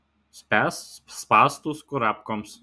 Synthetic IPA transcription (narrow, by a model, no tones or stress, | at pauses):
sʲpʲæːsspɑːst̪ʊskʊɾɑːpkɔms